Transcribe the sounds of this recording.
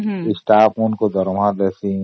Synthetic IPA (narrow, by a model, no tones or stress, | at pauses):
ɪsʈaːpunkod̪ɔɾmad̪esi